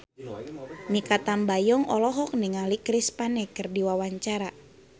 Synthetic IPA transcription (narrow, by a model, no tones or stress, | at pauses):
mikat̪ambajɔŋɔlɔɦɔk̚niŋalikɾispanɛkɨrdiwawaɲt͡ʃaɾa